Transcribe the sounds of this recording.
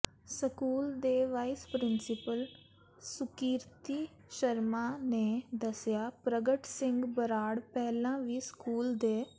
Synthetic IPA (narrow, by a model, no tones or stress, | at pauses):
səkuːld̪eːʋaːispɾɪnsɪpəl | sʊkiːɾt̪iː | ʃəɾmaːneːd̪əsɪjaːpɾəɡəʈsɪ̃ŋɡbəɾaːɽpɛːlãːʋiːskuːld̪eː